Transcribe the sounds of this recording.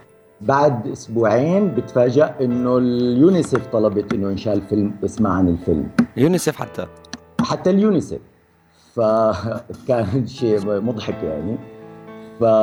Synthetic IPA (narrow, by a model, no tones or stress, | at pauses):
baʕd̪ʔʊsbuːʕeːnbɪt̪faːd͡ʒaʔʔɪnːʊljuːnɪseːft̪ˤɑlɑbɑt̪ʔɪnːʊʔɪnʃaːʔɪlfɪlmʔɪsmaʕanɪlfɪ̰lmjuːnɪsefħa̰t̪ʰːa̰ | ħat̪ːaljuːnɪsḛfː | a | kaːnɪʃeːmʊd̪ˤħɑkja̰ʕni | fa